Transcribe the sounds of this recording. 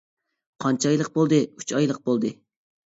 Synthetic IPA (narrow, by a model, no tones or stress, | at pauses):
qʰɑnt͡ʃʰɑjlˠəq̚bolˠd̪ɨy̥t͡ʃɑjlˠəq̚bolˠd̪ɨ